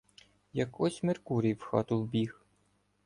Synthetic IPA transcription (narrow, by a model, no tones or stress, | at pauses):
jɐkɔsʲmerkuɾʲiwxɑ̰t̪ʊwbʲix